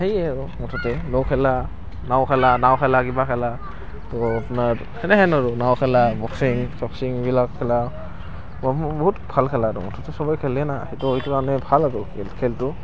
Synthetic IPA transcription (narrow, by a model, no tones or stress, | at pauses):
hejeɾumɔtʰɔtelɔkʰela | nawkʰalanawkʰalaɡibakʰala | tɔna | heneɦenaɾunawkʰelabɔk̚siŋsɔk̚siŋwilakkʰːela | bɔmbɔɦutpʰalkʰaladɔmɔtʰɔtesɔbajkʰelːenahitɔjtuanepʰalaɾulkʰeltu